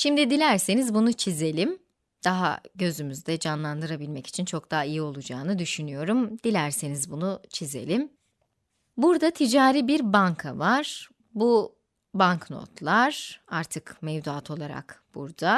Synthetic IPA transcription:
ʃimd̪id̪ilʲæɾse̞nizbunut͡ʃʰize̞lʲim | d̪̥aɦa̰ɟø̞zymyzd̪ɛd͡ʒanlˠand̪ɯɾabilʲmɛci̥t͡ʃʰint͡ʃʰo̞k̚d̪aːijio̞lˠud͡ʒaːnɯd̪yʃynyjo̞ɾumd̪̥ilʲæɾse̞nizbunut͡ʃʰize̞̰lʲim | buɾd̪at̪ʰid͡ʒaːɾiːbiɾbaŋkʰa̰vaɾ̥ | bu | baŋkno̰t̪ʰlˠaɾ̥aɾt̪ʰɯkmɛvd̪uat̪ʰo̞lˠaɾa̰kb̥ṵɾd̪a

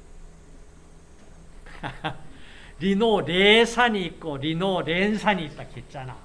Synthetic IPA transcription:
ɾinoɾesaɲiːkoɾʲinoːɾensaɲiit̪ːakʰʲet͡ɕːana̰

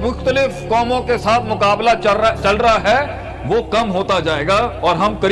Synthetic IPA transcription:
mʊxt̪əlɪfkɔːmõkesaːt̪ʰmʊkaːblat͡ʃɐlɾaaɦɛ | ʋoːkɐmɦoːt̪ad͡ʒaːeːɡaɔːɾɦɐmkɐɾ

